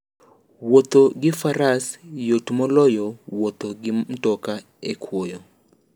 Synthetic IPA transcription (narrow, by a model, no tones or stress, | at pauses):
wot̪oɡɪfaɾasjotmɔlɔjɔwot̪oɡɪm̩tɔka | ekʰwojɔ